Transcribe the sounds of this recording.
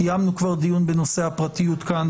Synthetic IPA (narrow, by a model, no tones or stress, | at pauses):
ijamnukvaʁd̪ijunbenosehapʁat̪ijut̪kan